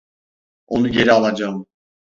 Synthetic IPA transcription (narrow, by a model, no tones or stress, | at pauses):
onuɡʲɛɾɛalˠad͡ʒaːm